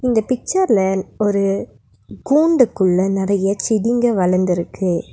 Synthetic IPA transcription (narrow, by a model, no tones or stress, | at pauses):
ɪnd̪ɐpɪk̚t͡ʃɐɾlɐɔɾɯ | ɡuːɳɖɯkːɯɭːɐnɪɾɐjɐt͡ʃɪðɪŋɡɐʋɐɭɐɾnd̪ɪɾɯkːɯ